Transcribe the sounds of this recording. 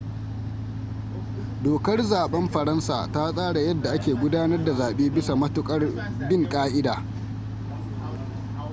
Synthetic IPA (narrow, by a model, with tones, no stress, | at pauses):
doː˨kɐ˦rzaː˨ɓɐ˦mɸɐ˨ɾɐ˦nsa̰ː˨ta˦sʼaː˦ɽa˨jɐ˦dːa˨ʔa˦kʲeː˨ɡʷʊ˦daː˦nɐ˦rda˨zaː˨ɓeː˦bɪ˦sa˨mɐ˦tʊ˦˨kʼɐ˦r | bɪ˦ŋkʼaː˦ʔɪ˦daː˨